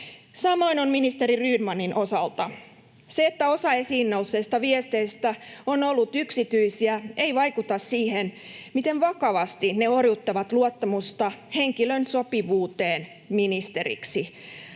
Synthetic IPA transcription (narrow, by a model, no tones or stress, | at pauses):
sɑmo̞inonminist̪eɾiryːdmɑninʔosɑlt̪ɑ | seet̪ːæo̞sɑe̞siːnːousːest̪ɑʋiest̪eist̪æonolːut̪yksit̪yisiæe̞iʋɑikut̪ɑssiːhen | mit̪enʋɑkɑʋɑst̪ineorjut̪ːɑʋɑt̪luot̪ːɑmust̪ɑhe̞ŋkilønso̞piʋuːt̪eːn | minist̪eɾḭksi